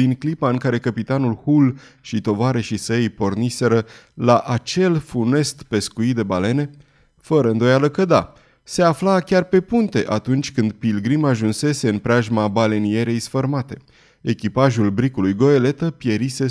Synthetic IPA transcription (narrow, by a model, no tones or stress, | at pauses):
iŋklipaɨŋkaɾe̞kəpit̪anulhul | ʃit̪o̞vaɾe̞ʃisejpo̞rnise̞ɾə | laʔat͡ʃe̞lfune̞st̪pe̞skuid̪e̞bale̞ne̞ | fəɾəɨnd̪o̞jaləkəd̪a | se̞aflakʲarpe̞punt̪e̞ʔat̪unt͡ʃʲkɨnd̪pilɡɾimaʒunse̞se̞ɨnpɾeaʒmabale̞nie̞ɾe̞jsfərmat̪e̞ | e̞kʲipaʒulbɾikulujɡo̞e̞le̞t̪əpje̞ɾise̞